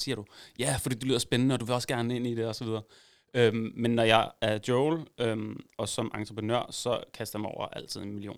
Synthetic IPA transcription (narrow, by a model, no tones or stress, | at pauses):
siɐɾ̥ujæfɒ̽d̥ḭːdule̝ð̰ˠɐsb̥enənəɒ̽d̥uʋe̝ɒ̽səɡ̥æɐnəe̝n̰id̥e̝ɒ̽sɒ̽ʋið̞ˠɐː | ømmenːɒjɑ̈ɪæɐd̥joʊlømɒ̽sɒ̽mʔɑ̈nt͡sʰʁəpʰənø̰ɐ̰sɒ̽kʰæsd̥ɐmɒ̰ʊ̰ɐ̰ʔæl̰t͡sʰið̞̰ˠenmilio̝̰ːn